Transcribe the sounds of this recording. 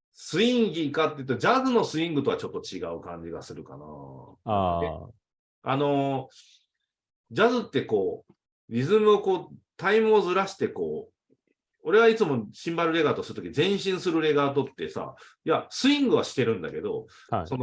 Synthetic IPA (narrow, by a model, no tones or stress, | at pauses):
sɨĩŋɡʲikat̪ːe̞iɯ̟t̪ːod͡ʑazɨno̞sɨĩŋɡɯ̟t̪o̞at͡ɕo̞t̪ːo̞t͡ɕiɡaɯ̟kãɲ̟d͡ʑiɡa̰sɨɾɯ̟ka̰na̰ | e | a̰no̞ | d͡ʑazɨt̪ːe̞ko̞ː | ɾʲizɨmɯ̟oko̞ːt̪aimɯ̟ozɨɾaɕi̥t̪e̞ko̞̰ː | o̞ɾe̞ɡait͡sɨmo̞ɕĩmbaɾɯ̟ɾe̞ɡaːt̪o̞sɨɾɯt̪okʲiizẽ̞ɰ̃ɕĩɰ̃sɨɾɯ̟ɾe̞ɡaːt̪̬o̞t̪ːe̞̰sa̰ | jasɨĩŋɡɯ̟β̞aɕi̥t̪e̞ɾɯ̟̃nd̪a̰ke̞d̪o̞̰ | so̞no